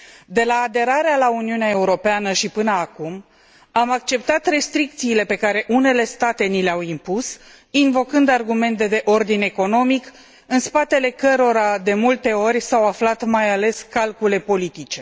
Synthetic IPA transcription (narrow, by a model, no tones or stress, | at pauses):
d̪e̞laːd̪e̞ɾaɾealauniuneae̞uɾo̞peanəʃipɨnəakum | amak̚t͡ʃe̞p̚t̪at̪re̞st̪ɾik̚t̪siːle̞pe̞kaɾe̞ʔune̞le̞st̪at̪e̞nileawimpus | invo̞kɨnd̪arɡume̞nt̪e̞d̪e̞ʔo̞rd̪ine̞ko̞no̞mik | ɨnspat̪e̞le̞kəɾo̞ɾad̪e̞mult̪e̞o̞rʲsawaflat̪majale̞skalkule̞po̞lit̪it͡ʃe̞